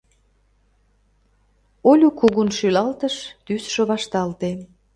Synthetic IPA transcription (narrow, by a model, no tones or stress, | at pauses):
olʲukuɣunʃylɑlt̪əʃt̪ysʃŏβɑʃt̪ɑlt̪e